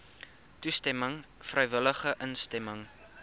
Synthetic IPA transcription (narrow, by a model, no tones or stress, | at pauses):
tustɛməŋfrəjvələχəʔənstɛməŋ